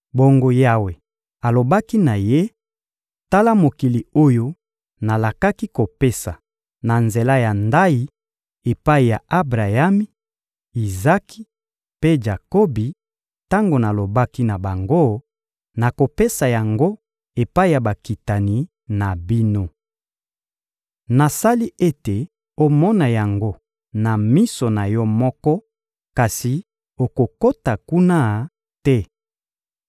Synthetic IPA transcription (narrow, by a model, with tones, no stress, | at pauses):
bo˨ŋɡo˦ja˦we˨ | a˨lo˨ba˦ki˦na˨je˦ | ta˦la˦mo˨ki˨li˨o˦jo˦ | na˨la˨ka˦ki˦ko˨pe˦sa̰˨ | na˨nze˨la˦ja˨nda˦i˨ | e˨pa˦i˨ja˨a˦bʁa˨ja˦mi˦ | i˨za˦ki̥˦ | pe˦d͡ʒa˨ko˦bi˨ | ta˦ŋɡo˨na˨lo˨ba˦ki˦na˨ba˨ŋɡo˦ | na˨ko˨pe˦sa˨ja˨ŋɡo˦ | e˨pa˦i˨ja˨ba˨ki˨ta˨ni˨ | na˨bi˦no˦ | na˨sa˦li˦ʔe˦te˨ | o˨mɔ˦na˨ja˨ŋɡo˦ | na˨mi˦so˨na˨jɔ˦mɔ˦kɔ˦ | ka˨si˨ | o˨ko˨ko˦ta˨ku˦na˦˨ | tɛ˦